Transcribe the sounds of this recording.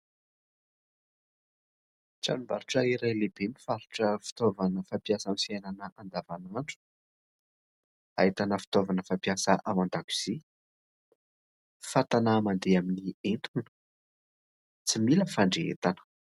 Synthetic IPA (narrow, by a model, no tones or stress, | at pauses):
ʈ͡ʂanumbaɾuʈ͡ʂəiɾajlebemifaɾuʈ͡ʂəfi̥t̪ovanəfampjasamifiajnanəʔand̪avanaɳʈ͡ʂu̥ | a̰it̪anəfi̥t̪ovanəfapijasaʔamand̪aku̥z̥i | fat̪anamand̪eaminient̪ʰunə̥ | t͡similəfaɳɖ͡ʐeḛt̪anə̥